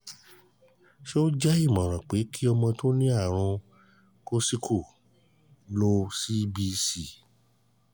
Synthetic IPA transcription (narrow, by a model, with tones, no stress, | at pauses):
ʃo˦d͡ʒɛ˦i˦˨mɔ̃˨ɾ̃ã˨k͡pe˨˦ki˦ɔ˧mɔ̃˧to˦nĩ˦a˦˨ɾ̃ũ˧ | ko˦si˦kʰo˦˨ | lo˧˦si˦bi˧si˨